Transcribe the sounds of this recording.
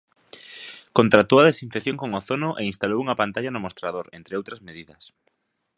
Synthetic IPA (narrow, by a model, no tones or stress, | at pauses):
kont̪ɾat̪oaðesiɱfekθjoŋkoŋoθonʊʔeinst̪alowuŋɐpant̪aʎanʊmost̪ɾaðoɾent̪ɾɪowt̪ɾɐzmeðiðɐs